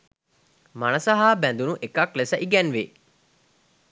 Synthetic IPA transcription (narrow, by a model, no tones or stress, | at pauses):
mɐnɐsɐɦaːbænd̪unuʔekɐklesəʔiɡɛnʋe